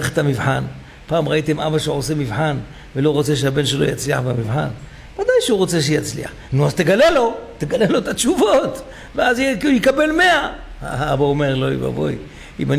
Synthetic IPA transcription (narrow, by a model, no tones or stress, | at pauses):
eχe̥t̪amivħan | paːmʁait̪emʔabaʃeʕose̞mivħan | velo̞ʁot͡se̞ʃ̬ehabenʃelo̞̰jat͡sliaħbamivħan | vad̪ajʃeuʁo̞t͡se̞ʃ̬ejat͡slḭa̰ħnuazt̪eɡalelo̞t̪eɡalelo̞et̪at͡ʃuvo̞t̪ | veazjkujekabe̞lme̞a | a̰aabaome̞ʁlo̞ḭba̰vo̰j | ḭman